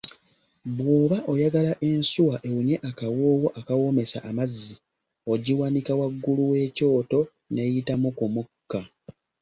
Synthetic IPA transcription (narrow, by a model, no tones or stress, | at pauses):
βwoːβaʔo̞jaɡalaʔe̞nsuwaʔe̞wuɲe̞ʔakawoːwoʔakawo̞me̞sa̰ʔːmazːi | o̞ɟiwanikawaɡːuluwe̞ːco̞ːto̞ | ne̞jitamukumukːa